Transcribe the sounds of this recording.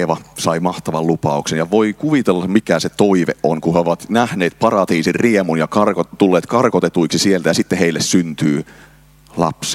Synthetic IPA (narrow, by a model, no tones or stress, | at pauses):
ʋɑsɑimɑht̪ɑʋɑllupɑuksenjɑʋoikuʋit̪elːɑmikæset̪oiʋḛʔʔonkuheoʋɑt̪næhneːt̪̚pɑrɑt̪iːsirriemunjɑkɑrkot̪ulːeːt̪kɑrkot̪et̪uiksisielt̪æjɑsit̪ːeheilːessynt̪yː | lɑ̰ps